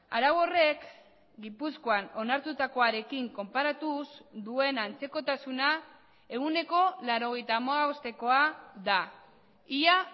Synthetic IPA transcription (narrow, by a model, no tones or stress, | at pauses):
a̰ɾaɣo̞re̞k | ɡipusko̞ano̞naɾt̪ut̪ako̞aɾe̞kiŋko̞mpaɾat̪uzd̪ue̞nant͡se̞ko̞t̪asuna | e̞ɣune̞ko̞laɾo̞ɣ̞e̞jt̪aːmaɣaost̪e̞ko̞aða | ia